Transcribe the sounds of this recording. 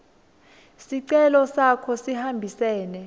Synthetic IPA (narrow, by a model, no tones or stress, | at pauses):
siǀɛlɔsakʰɔsihambʱisɛːnɛ